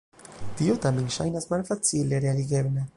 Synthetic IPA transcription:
t̪iot̪amenʃa̰jnasmalfat͡sileɾealiɡebla

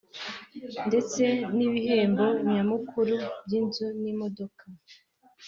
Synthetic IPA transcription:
nde̞t͡se̞niβihe̞ːmbo̞ɲɲamukʰuɾubɟinzunimo̞do̞kʰa

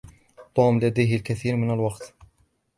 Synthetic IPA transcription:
t̪ˤːuːmlad̪ajɦalkaθiːɾmɪnalwɑqt̪

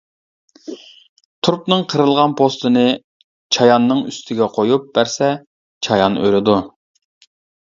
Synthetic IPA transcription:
t̪ʰuɾpnɨŋqʰəɾɨlˠʁɑnpʰost̪ɨnɨ | t͡ʃʰɑjɑnːɨŋy̰st̪ʰɪɡʲɛqʰojup̚b̥æɾsɛ | t͡ʃʰɑjɑnø̰ɾɪd̪u

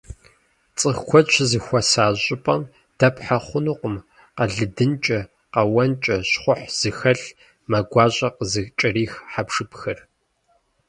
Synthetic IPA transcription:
t͡sʼɨxkʷʰɔt͡ʃʰzɨxʷɔsaːʑʼɪpʼɐm | d̥ɐpʰħaχʷʊnuːqʷʊm | qɐɮɨdɨnt͡ʃʼɐ | qɐwɐnt͡ʃʼɐɕχʷʊħz̥ɨxɐɬ | mɐɡʷɑːɕʼɐqəzɨt͡ʃʼɐriːxħapʂɨpxɐr

